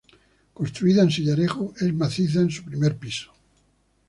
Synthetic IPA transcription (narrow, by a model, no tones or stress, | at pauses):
konst̪ɾuiðaensiʎaɾexoezmaθiθ̬aẽnsupɾime̞ɾpiso̥